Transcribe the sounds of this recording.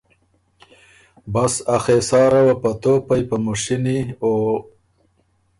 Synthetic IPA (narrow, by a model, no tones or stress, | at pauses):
basaxeːsɑːɾawapat̪opajpamuʂinio